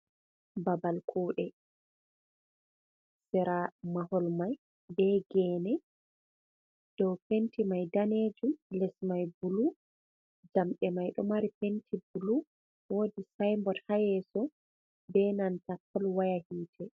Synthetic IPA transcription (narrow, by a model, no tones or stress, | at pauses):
babalkʰuːɗɛ | sɛɾamahɔlmaj | bɛɡɛːnɛ | d̥ɔwpentimajdaneːd͡ʒumlɛsmajbulu | d͡ʒamɗɛmajɗɔ̰maɾipentʰibulu | woːdisajmbɔthajɛsɔ | bɛnantapːɔlwajahiːtʰɛ